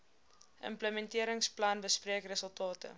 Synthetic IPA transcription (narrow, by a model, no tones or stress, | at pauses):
ʔə̰mpləmɛntiəɾəŋsplɐnbəspriəkrəsəlˠtɑːtə̰